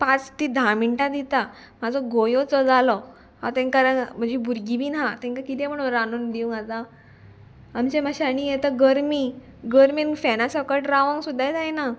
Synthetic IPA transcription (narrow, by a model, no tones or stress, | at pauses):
pat͡st̪id̪ʱamiɳʈad̪it̪a | mad͡zʱɔɡojot͡sɔd͡zalɔ | ha̰t̪ɛ̃ŋkaɾəm̤əɳd͡ʑebuɾɡibiːnɦat̪ɛ̃ŋkakit̪ɛm̤əɽ̃oɾanund̪iũŋɡat̪a | mt͡ɕemaɕaɽ̃ijet̪əɡəɾmi | ɡəɾminfɛnasəkəʈɾaʋə̃ŋɡsud̪ʱːajd͡zajna